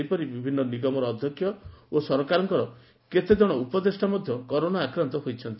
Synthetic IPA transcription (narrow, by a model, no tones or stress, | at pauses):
jpɔɾibibʱinːɔniɡɔmɔɾɔːd̪ʱjɔkʰjɔosɔɾɔkaɾɔŋkɔɾɔ | ket̪ed͡ʒɔɽ̃ɔupɔd̪ɾesʈamɔd̪ʱjɔkɔɾoɽ̃aakɾɔnt̪ɔɦojt͡ʃʰɔnt̪i